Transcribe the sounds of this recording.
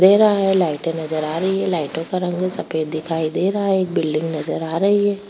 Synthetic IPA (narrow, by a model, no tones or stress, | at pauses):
d̪eːɾɐɦaɦɛlaːɪʈẽnɐzəɾaːɾɐɦiɦɛlaːɪʈõkaɾɐ̃ŋɡsɐpeːd̪ɪkʰaːid̪eːɾɐɦaɦɛeːk̚bɪlɖɪ̃ŋɡnɐzəɾaːɾɐɦiɦɛː